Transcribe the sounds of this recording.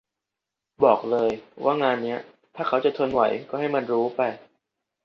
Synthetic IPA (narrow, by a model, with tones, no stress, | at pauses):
bɔː˨˩k̚lɤː˧jwʔaː˥˩ŋaː˧nːi˦˥ɐ | t̪ʰaː˥˩kʰa˦˥wt͡ɕa˨˩t̪ʰo˧nwa̰˩˦jkɔː˥˩ha˥˩jma˧nɾuː˦˥pa˧j